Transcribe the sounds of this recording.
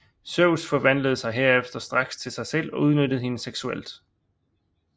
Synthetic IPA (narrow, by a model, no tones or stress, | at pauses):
søʊsfɒ̽ʋæn̰ləð̞̩ˠsɑ̈ɪɦeɐ̰efd̥ɐsd̥ʁɑ̈ɡ̥st͡sʰe̝lsɑ̈ɪsel̰ɒ̽uð̞ˠnød̥əð̞̩ˠhe̝nəseɡ̥suel̰d̥